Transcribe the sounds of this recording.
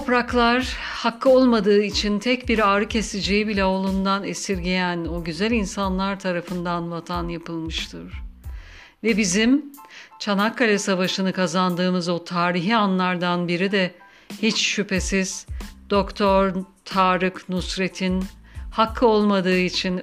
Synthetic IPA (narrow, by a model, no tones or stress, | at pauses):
t̪ʰopɾaklˠaɾ | hakʰːɯo̞lˠmad̪ɯːit͡ʃʰint̪ʰɛc̚biɾaːɾɯcʰe̞sed͡ʒejibilʲɛo̞lˠund̪anesiɾɟejæno̞ɟyzælʲinsanlˠaɾt̪ʰaɾafɯnd̪anvat̪ʰanjapɯlˠmɯʃt̪ʰɯɾ̥ | vɛbizimt͡ʃʰanakʰːalʲɛsavaʃɯnɯkʰazand̪ɯːmɯzo̞t̪ʰaːɾiɦianlˠaɾd̪anbiɾid̪ɛ | hit͡ʃʃypʰe̞siz̥d̪̥o̞kt̪ʰoɾt̪ʰaːɾɯknusɾe̞t̪ʰinhakʰːɯo̞lˠmad̪ɯːit͡ʃʰin